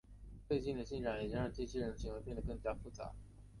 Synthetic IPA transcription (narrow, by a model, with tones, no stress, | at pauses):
t͡swe˥˧ɪt͡ɕi˥˩nd̪ə˩ɕi˥˩nʈ͡ʂa˨˩ŋjɛ˨˩t͡ɕi˥ɻa˥˧˥nt͡ɕi˥˧˩t͡ɕ̪ʰɕi˧˥ŋwe˧˥ɪpjɛ˥˩nd̪ə˩kɤ˥˩ŋt͡ɕja˥fu˥˩t͡sa̰˧˥